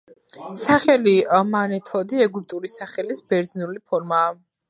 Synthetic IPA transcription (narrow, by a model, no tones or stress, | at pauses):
saχɛlimanɛt̪ʰɔd̪iɛɡult̪ʼuɾisaχɛlisbɛɾd̪znulipʰɔɾmaː